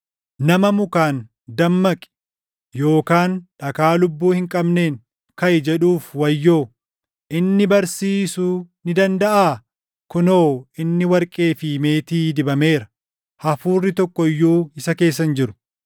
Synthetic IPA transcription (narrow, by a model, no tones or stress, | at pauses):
nɐmɐmʊkaːn | d̪ɐmːɐkʼɪ̥ | jo̞ːkaːnᶑɐkaːlʊbːuːhɪŋkʼɐbne̞ːŋ | kɐʔɪd͡ʒɛᶑuːfwɐjːo̞ː | ʔɪnːɪbɐɾsiːsunɪd̪ɐnd̪ɐʔaː | kʊnoːɪnːɪwɐɾkʼe̞ːfime̞ːt̪iːd̪ɪbɐme̞ːɾɐ | hɐfuːrːɪt̪ɔkːɔjːuːɪsɐke̞ːs̬ːɐnd͡ʒɪɾʊ̥